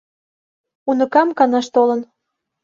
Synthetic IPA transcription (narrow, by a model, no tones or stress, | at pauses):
unə̆kɑmkɑnɑʃt̪olə̆n